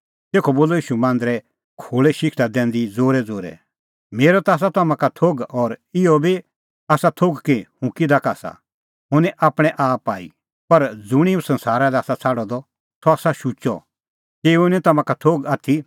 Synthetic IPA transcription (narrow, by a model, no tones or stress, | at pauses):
t̪eːkʰɔboːlɔiːʃumãːnd̪ɾɛ | kʰoːɭɛʃɪkʰʈad̪ɛ̃ːnd̪id͡zoːɾɛd͡zoːɾɛ̰ | meːɾɔt̪aːs̬at̪ɐmãkat̪ʰoːɡɔːɾɪɔbʱi | aːsat̪ʰoːɡkihʊ̃kid̪akaːsa̰ | ɦʊ̃nɛʔaːpɽ̃ɛ̃ʔaːpaːḭ | pɐɾd͡zʊɽ̃ĩũsɐ̃nsaːɾalɛaːsat͡sʰaːɽɔd̪ɔ | t̪ʰɔaːsaʃut͡ʃɔ̰ | keːʊnɛ̃t̪ɐmãkat̪ʰoːɡaːt̪ʰi